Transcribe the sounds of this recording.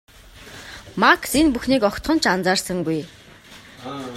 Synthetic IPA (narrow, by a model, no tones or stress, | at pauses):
maksenpuxniːkɔkt̪χɞ̆n̥t͡ɕʰant͡saːrsə̆ŋɡuj